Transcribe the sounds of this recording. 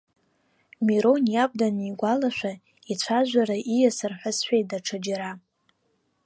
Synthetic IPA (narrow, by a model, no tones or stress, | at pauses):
miɾonjab̚daniɡʷalaʃʷᶣa | it͡ɕʷʰaʒᶣʷaɾaʔijasɨrħʷʊsħʷᶣejdaʈ͡ʂʰad͡ʒaɾa